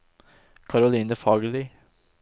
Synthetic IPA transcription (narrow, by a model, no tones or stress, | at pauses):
kʰɑɾʊliːnəfɑːɡəliː